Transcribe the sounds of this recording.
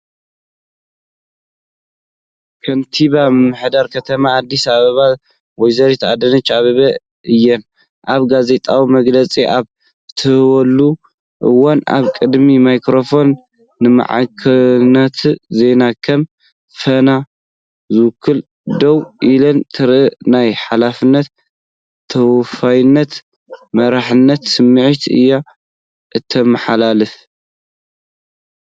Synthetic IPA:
kʰɐnt̪ʰiβamɨmːɨħd̪aɾkʰɐt̪ʰɐmaːd̪ːisaβɐβa | wɔjzɐɾit̪ʰad̪ɐnɐt͡ʃːaβɐβɐ | ɨjːɛn | ʔaβɡaze̞t̪ʼawimɐɡlɐt͡sʼiʔaβ | t̪ʰɨhwɐlːu | ʔɨwanʔa̰βkʼɨd̪mimajkɾo̞fo̞nː | ɨma̰ʕa̰kʰɐnɐt̪ʰze̞nakʰɐm | fɐna | zɨwkʰːɨl | d̪ɐwʔilɐnt̪ʰɨɾɨnajħalafɨnːɐt̪ʰː | ɐwfajnːɐt̪ | mɐɾaħɨnːɐt̪sɨmːɨʕit̪ʰiʔɨ̰jːa | ʔɨt̪ʰːɐmɨħalalɨf

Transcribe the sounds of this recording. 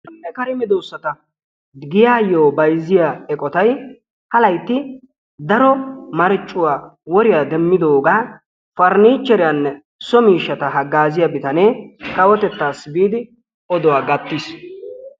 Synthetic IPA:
ɛkɐɾɪmɪd̪owsːɐt̪ɐ | ɡɪjaːjoːbɐjzɪjaːɛkʼɔt̪ɐj | hɐlɐjt̪ːɪ | d̪ɐɾɔmɐɾɪt͡ʃʼːʊwaːwɔɾɪjaːd̪ɛmːɪd̪o̞ːɡaː | fɐɾniːt͡ʃːɛɾɪjanːɛ | sɔmiːʃːɐt̪ɐɦɐɡːaːzɪjabɪt̪ɐneːkɐwɔt̪ɛt̪ːaːsbiːd̪ɪ | ʔɔd̪ɔwaːɡɐt̪ːis

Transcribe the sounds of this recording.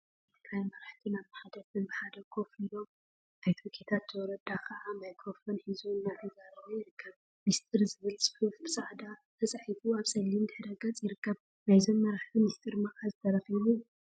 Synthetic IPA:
t̪ʰiɡɾajmɐɾaħt̪ʰinaβnaħad̪ɐt̪ʰɨnbɨħad̪ɐkʰofilo̞m | ʔajt̪ʰkʰet̪ʰat̪ːɨwɔɾɐd̪akʰɐʔanajkʰofɐnħizunːat̪ʰɐzaɾɐβojɪɾɨkʰːɐβ | mist̪ʰʼɨɾzɨβɨlsʼɨ̥ħufbɨsaʕd̪at̪ʰɐt͡sʼaħifuaβsɐlːimd̪ɨħɨd̪ɐɡɐt͡sʼjɪɾɨkːɐβ | najzomːɐɾaħt̪ʰimist̪ʰʼɨɾmɐʔʼazɨt̪ʰɐɾɐxiβu

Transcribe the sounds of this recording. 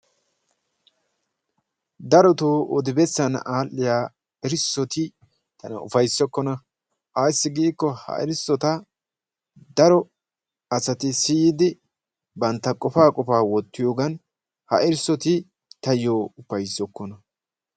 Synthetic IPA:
d̪ɐɾɔt̪oːɔd̪ɪbɛsːɐnaːlːɪjaː | ɛɾsːɔt̪ɪ | t̪ɐnɐʊfɐjsɔkːɔnɐ | ʔɐjsːɪɡiːkːɔhɐ̰ʔɪ̰ɾsɔt̪ɐ | d̪ɐɾɔ | ɐsɐt̪ɪsijɪd̪ɪ | bɐnt̪ːɐkʼɔfaːkʼɔfaːwɔt̪ːɪjoːɡɐn | hɐ̰ʔɪɾsɔt̪ɪ | t̪ɐjoːʊfɐjsːɔkːɔnɐ

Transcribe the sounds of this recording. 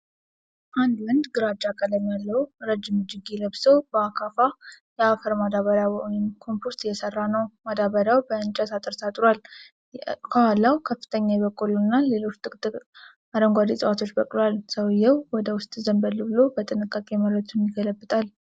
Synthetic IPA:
ʔand̪wənd̪ɡɨɾad͡ʒakʼələmːjalːəwɾəd͡ʒːɪmud͡ʒɪɡeləβsəwbəakʰafa | jɛafəɾmad̪aβəɾawojɛmkʰo̞mpʰoɾt̪jɛsərːanəwmad̪aβəɾjawbəɨnt͡ʃʼət̪at̪ʼɨɾt̪at̪ʼɾwal | kʰaalːawkʰəfːɨ̥t̪ʰəɲːajɛβəkʼːulunːale̞lo̞t͡ʃːt̪ʼɨkʼt̪ʼɨ | ad̪əŋɡʷad̪isʼəwat̪ʰo̞t͡ʃːbəkʼlalsəwjːɛwwɔd̪əwʊst̪ʼzəmbəlːɨbɨlo̞bət̪ʼɨnɨkʼːakʼeməɾət̪ʰunjɪɡələbːɨt̪ʼal

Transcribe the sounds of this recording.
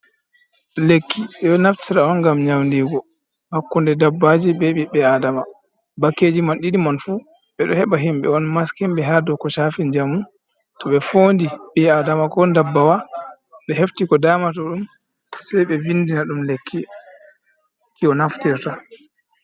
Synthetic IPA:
lekʰːiɓɛɔnaftʰiɾaɔnɡamɲawndiɡɔ | hakːundɛdabːad͡ʒiɓɛɓiɓɛadama | bakːeːd͡ʒimanɗiɗimanfu | ɓɛɗɔhɛɓaɦimɓɛ̰ɔnmaskimɓɛɦadɔkɔʃafiɲd͡ʒamu | tɔɓɛfoːndiɓɛadamakɔndabːawa | ɓɛheftikɔdaːmatɔɗum | sɛjɓɛvindinaɗumlekːi | kiɔnaftiɾta

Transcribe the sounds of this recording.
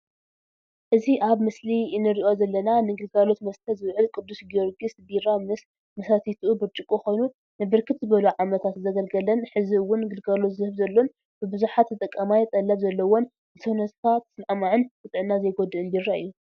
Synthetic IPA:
ʔɨziʔaβmɨslinɨɾiʔo̞zɐlːɐnanɨɡɨlɡalo̞t̪mɐst̪ʰɐzɨβʕɨlkʼɨd̪ːusɡio̞ɾɡisb̪iɾamɨs | mɐsat̪ʰit̪ʰʔubɨɾt͡ʃʼɨkʼoxo̞jnu | nɨbɨɾkʰɨt̪zɨβɐluʕamɐt̪ʰat̪zɐɡɐlɡɐlɐnħɨziwːʊnɡɨlɡalo̞t̪zɨhɨβzɐlːon | b̥ɨbɨzuħat̪ːɨt̪ʼɐkʼːɐmajt̪ʼɐlːɐβzɐlːɐwo̞n | ɨsɐwnɐt̪t̪ʰat̪ʰːɨ̥snʕamaʕɨnfɨt̪ʼɨʕɨnːazɐjɡo̞d̪ɨʔɨnd̪irːaɨjːu

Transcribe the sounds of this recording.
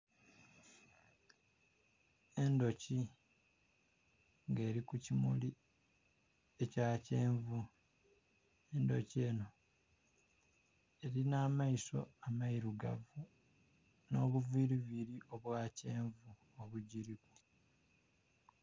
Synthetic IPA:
e̞ndo̞ci | ŋɡe̞ːɾikucimuli | e̞caːce̞ːɱvu | e̞ndo̞̰cie̞ːno̞ | e̞ɾinaːmaiso̞̰amaiɾuɡa̰vu | no̞ːβuviːɾiβiɾiʔo̞βwaːce̞ːɱvu | oβuɟiɾikwe

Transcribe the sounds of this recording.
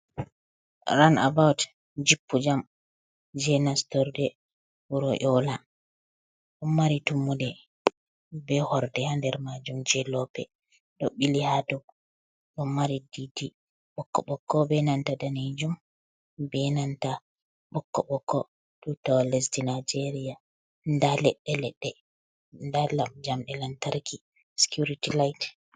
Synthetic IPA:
ɾana̰bawt | d͡ʒipːud͡ʒam | d͡ʒɛnastɔɾdɛ | wuɾɔʔɔla | ɗɔmːaɾitumːudɛ | bɛhɔɾdɛhandɛɾmad͡ʒumd͡ʒɛlɔpɛ̰ | ɗɔɓilihatɔ | ɗɔmaɾididi | ɓɔkːɔɓɔkːɔbɛnantadaned͡ʒum | bɛnanta | ɓɔkːɔɓɔkːɔ | tutɔlɛs̬dinajd͡ʒeɾija | ndalɛɗːɛlɛɗːɛ | ndalamd͡ʒamɗɛlantaɾkʰi | si̥kjuɾitilajt

